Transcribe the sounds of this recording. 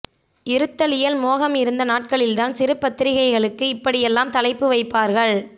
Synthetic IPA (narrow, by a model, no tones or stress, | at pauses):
ɪɾɯt̪ːɐlɪjɐlmoːɣɐmɪɾɯnd̪ɐnaːʈ̚kɐɭɪlt̪aːnsɪɾɯpːɐt̪ːɪɾɪɣɐɪɣɐɭɯkːɯɪpːɐɽɪjɛlːaːmt̪ɐlɐɪpːɯʋɐɪpːaːɾɣɐɭ